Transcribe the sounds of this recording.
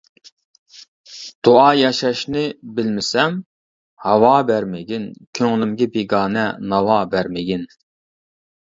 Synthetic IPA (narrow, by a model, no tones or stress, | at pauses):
d̪̥oɑːjɑʃɑʃnɪbɪlmɪsɛm | hɑwɑːbæɾmɪɡʲinkʲʰøŋlɪmɡʲɛbeɡɑːnɛnɑwɑːbæɾmɪɡʲin